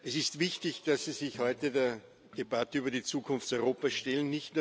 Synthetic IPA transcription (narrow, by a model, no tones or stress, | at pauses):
ɛsɪstv̥ɪçtɪçd̥asːizɪçhɔʏtədeːɐ | d̥ebatəyːbɐdit͡suːkʰʊnftt͡sɑɔʏʁoːpasʃtɛlənːɪçtnu